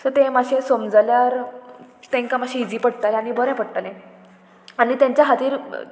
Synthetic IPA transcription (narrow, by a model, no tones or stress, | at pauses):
səɾt̪emaɕẽsomd͡zaljaɾ | t̪ẽŋkamaɕĩid͡ziːpəɽt̪aleanibəɾɛ̃pəɽt̪alẽ | anit̪jãɲt͡ɕjaɦat̪iːɾ